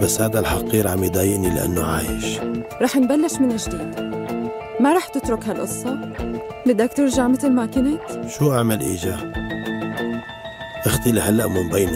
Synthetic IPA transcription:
bashaːd̪alħɑqiːɾʕamjid̪ˤaːjɪʔnilɪ̰ʔa̰nːuʕaːjɪ̰ʃɾˤɑːħnbalːɪʃmɪnɪʒd̪iːd̪ | maɾˤɑːħt̪ɪt̪ɾʊkhalʔʊsˤːɑ | lɪd̪aːkt̪ɪɾʒaʕmɪt̪ɪlmaːkɪnaʃuːʔaʕmalʔḭːd͡ʒaː | ʔaxt̪ˤɪliɦalːaʔmɪmbeːna

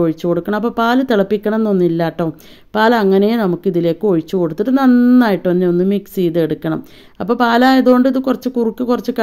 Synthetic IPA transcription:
oɻit͡ɕːuko̞ɽukːɐɳɐmɐpːoːpaːlɐt̪iɭɐpːikʲːɐɳɐme̞nːo̞nːilːaːʈːoː | paːlɐɐŋːɐnejenɐmukːiðile̞ːkːɨo̞ɻit͡ɕːuko̞ɽut̪ːiɐʈːɨnɐnːaːjiʈːɨonːeonːɨmiksiːðeɽukːɐɳɐ̰m | ɐpːoːpaːlaːjɐðuoɳɖɨiðɨkurɐt͡ɕːɨkurikʲːɨkurɐt͡ɕːɨkɐ

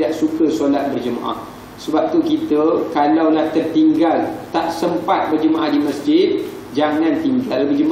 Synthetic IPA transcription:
daʔsukəsolat̪̚bərd͡ʒəmã̰ʔa̰h | səbap̚t̪ukit̪əkalawlaht̪ərt̪iŋɡalt̪aʔsəmpat̪̚bərd͡ʒəmaʔahdiməsd͡ʒɪt̪̚ | d͡ʒaŋãnt̪iŋɡalːabəd͡ʒəma

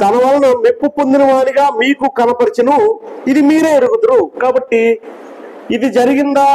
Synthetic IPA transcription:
t̪ɐnɐʋaːlɐnunepːupond̪inɐʋaːɭiɡaːmiːkukɐnɐpɐɾit͡ʃinuid̪imiːɾeːɐɾuɡud̪uɾukaːbɐʈːiː | d̪id͡ʒɐɾiɡind̪aː

